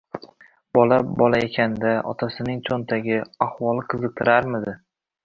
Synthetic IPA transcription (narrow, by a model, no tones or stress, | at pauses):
b̥ɒlabɒlaekʲʰand̪aɒ̰t̪ʰasɪnɪŋt͡ʃʰont̪ʰaɡʲɪahwɒlˠɪqʰɨzɨq̚t̪ʰɪɾaɾmɪd̪ɪ